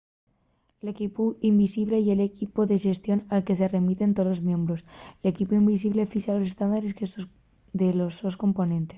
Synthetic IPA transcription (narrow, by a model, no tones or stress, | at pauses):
lekipuimbisiβle̞je̞le̞kipoðeʃe̞st̪jo̞nalke̞se̞re̞mit̪e̞nt̪olozmjembɾo̞sele̞kipuimbis̬iβle̞fiʃalo̞sest̪and̪aɾeskes | d̪elososko̞mpo̞nẽ̞nt̪es